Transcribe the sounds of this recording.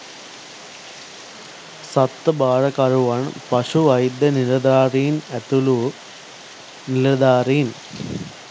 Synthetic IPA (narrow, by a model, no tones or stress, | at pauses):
sɐt̪ːɨbaːɻɐkɐɾuʋaːɳɨ̰pɐʂuʋɐjd̪ɐnilɐd̪aːriːnet̪ːulu | nilɐd̪aːriːn